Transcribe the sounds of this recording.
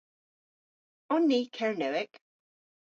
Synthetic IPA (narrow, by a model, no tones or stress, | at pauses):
ɔnːiːkʰɛɹnɛwɪɡ̥